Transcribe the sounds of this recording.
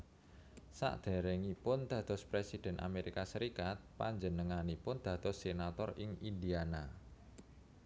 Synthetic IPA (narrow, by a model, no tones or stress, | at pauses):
sa̰ʔd̪̥a̤ɾɛŋipʊnd̪̥ä̤t̪ɔspɾesid̪̥ɛ̤nʔa̰meɾikasəɾikat̪̚pa̰ɲd͡ʒənəŋanipʊnd̪̥ä̤d̪̥ɔsːenat̪ɔrɪŋindiana